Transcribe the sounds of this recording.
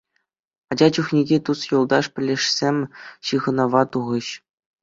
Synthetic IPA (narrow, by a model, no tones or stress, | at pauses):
ɑd͡ʑɑt͡ɕuχnʲeɡʲet̪usjulˠd̪ɑʂpʲɘ̆lʲːeʂsʲemʲɕɯʁɤ̆nɑʋɑt̪uʁɤ̆ɕ